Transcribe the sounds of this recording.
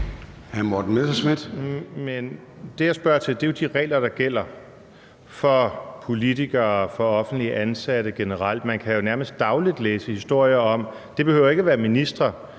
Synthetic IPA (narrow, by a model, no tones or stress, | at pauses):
hæmod̥n̩mesɑsmed̥men | d̥e̝jɑɪsb̥ɶɐt͡sʰe̝ld̥e̝jod̥iʁɛ̰ːlɐd̥ɑ̈ɡ̥el̰ɐ | fɒ̽pʰo̝lit͡sʰiɡ̥ɐːfɒ̽ɒ̽fn̩d̥liəʔænsæɾ̥əɡ̥e̝nəʁɑl̰d̥mænkʰæjo̝næɐməsd̥̚ːɑ̈ʊlid̥leːsəhisd̥o̝ɐ̰jɐɒ̽m | d̥e̝b̥e̝høʊ̰ɐe̝ɡ̥əʋæːɐminisd̥ʁɐ